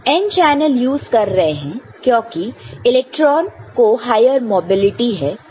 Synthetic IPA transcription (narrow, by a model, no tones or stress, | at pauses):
ɛ̃nt͡ʃɛːnəljuːzkɐɾːɐɦeɦɛ̃ː | kjõːkiɪlɛːk̚ʈɾɔːnkoɦaːɪjəɾmoːbɪlɪʈiɦɛː